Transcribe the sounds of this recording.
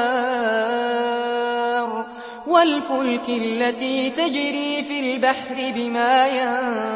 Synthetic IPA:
ɾ | walfʊlkɪlːat̪iːt̪ad͡ʒɾiːfilbaħɾɪbɪmaːja

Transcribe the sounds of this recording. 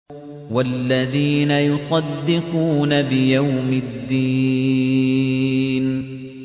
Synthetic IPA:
walːaðiːnajʊsˤɑd̪ːɪquːnabɪjawmɪd̪ːiː | n

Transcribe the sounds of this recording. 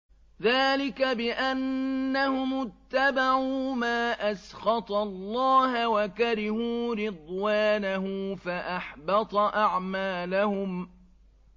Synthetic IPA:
ðaːlɪkabɪʔanːahʊmʊt̪ːabaʕuːmaːʔasxɑt̪ˤɑlˤːɑːɦawakaɾɪhuːɾɪd̪ˤwaːnaɦʊmfaʔɑħbɑt̪ˤɑʔaʕmaːlahʊm

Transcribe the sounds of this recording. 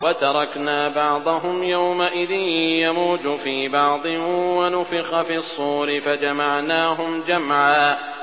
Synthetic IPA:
wat̪ɑɾˤɑknaːbɑʕd̪ˤɑɦʊmjawmaʔɪðɪnjamuːt̪ʊfiːbɑʕd̪ˤɨwanʊfɪxafiːɑsˤːuːɾɪfad͡ʒamaʕnaːɦʊmd͡ʒamʕaː

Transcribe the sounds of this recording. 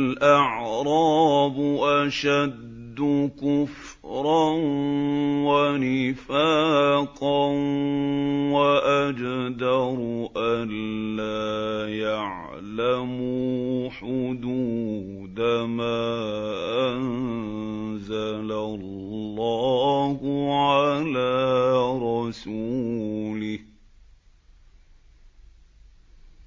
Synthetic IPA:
lʔaʕɾˤɑːbʊʔaʃad̪ːʊkʊf | ɾˤɑn | wanɪfaːqɑnn | waʔad͡ʒd̪ɑɾˤʔanlːaːjaʕ | lamuħʊd̪uː | d̪amaːʔann | zalaː | ɑːhʊʕalaːɾˤɑsu | lɪh

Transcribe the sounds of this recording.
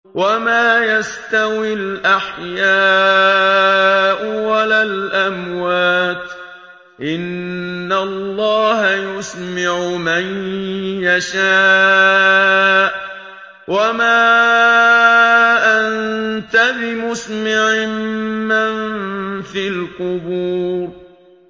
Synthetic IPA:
wamaːjast̪awɪlʔaħjaː | ʔʊwalaːlʔamwaaːt̪ | ʔɪnːalˤːɑːhajʊsmɪʕʊmanjaʃaː | ʔ | wamaː | ʔant̪abɪmʊsmɪʕɪmːanfiːlqʊbuːɾ

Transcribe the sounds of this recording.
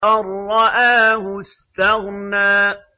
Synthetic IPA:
ɑɾˤːɑʔaːhʊst̪ahnaː

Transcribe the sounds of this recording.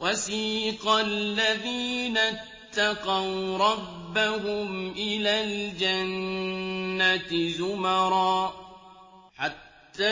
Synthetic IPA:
wasiːqalːaðiːna | t̪ːaqɑwɾˤɑbːaɦʊmʔɪlaːld͡ʒanː | at̪zʊmaɾˤɑː | ħat̪ːaː

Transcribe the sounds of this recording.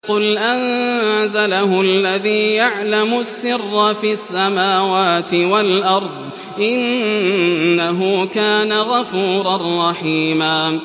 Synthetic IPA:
qʊlʔanzalahʊalːaðiːjaʕlamʊsːɪrːɑfiːasːamaːwaːt̪ɪwalʔɑɾˤd̪ˤ | ʔɪnː | aɦʊkaːnaɣafuːɾˤɑrˤːɑħiːmaː

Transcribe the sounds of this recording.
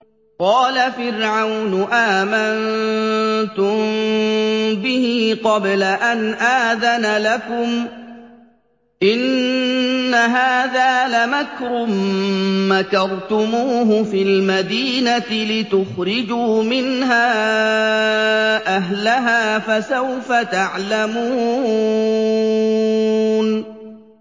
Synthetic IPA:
qɑːlafɪɾʕawnʊʔaːman | t̪ʊm | bɪhiːqɑblaʔanʔaːðanalakʊm | ʔɪnː | aɦaːðaːlamakɾʊmː | akɑɾˤt̪ʊmuːɦʊfilmad̪iːnat̪ɪlɪt̪ʊxɾɪd͡ʒuːmɪnɦaː | ʔaɦlaɦaːfasawfat̪aʕlamuː | n

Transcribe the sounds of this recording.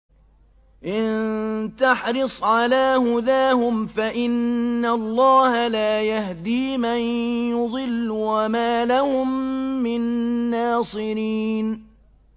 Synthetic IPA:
ʔɪnnnt̪aħɾɨsˤʕalaːhʊd̪aːhʊmfaʔɪnːalˤːɑːhalaːjahd̪iːmanjʊd̪ˤɪlːwamaːlahʊmːɪnːaːsˤɨɾiːn

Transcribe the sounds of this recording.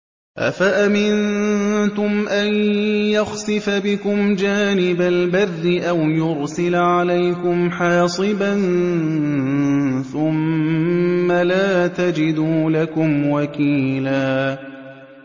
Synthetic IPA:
ʔa̰faʔamɪnt̪ʊmʔanjaxsɨɪfabɪkʊmd͡ʒaːnɪbalbarːɪʔawjʊɾsɪlʕalajkʊmħaːsˤɨban | θʊmː | alaːt̪ad͡ʒɪd̪uːlakʊmwakiːlaː

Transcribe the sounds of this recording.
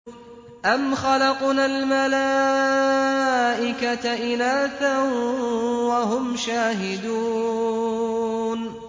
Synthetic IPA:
ʔamxɑlɑqnalmala | ʔɪkat̪aʔɪnaːθa | waɦʊmʃaːɦɪd̪uː | n

